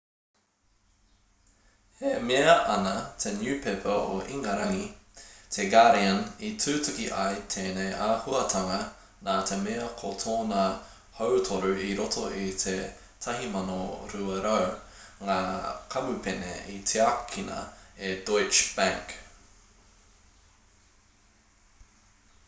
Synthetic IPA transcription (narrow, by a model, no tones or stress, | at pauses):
hemeɐʔɐnɐt̪ʰenjʉːpʰepʰəoʔiŋɐɾɐŋit̪ʰeɡaɾiɐnitʰʉːtʰʉkiʔa̰jt̪ʰeːnejʔaːhuɐtʰɐŋɐ | naːt̪ʰemeɐkʰotʰoːna | howtʰoɾʉiɾotʰoʔitʰe | tʰɐɦimɐnoɾuɐɾɐwŋaːkʰɐmʉpʰenḛit̪ʰeakʰːinɐ̰edojt͡ʃb̥æ̃ŋk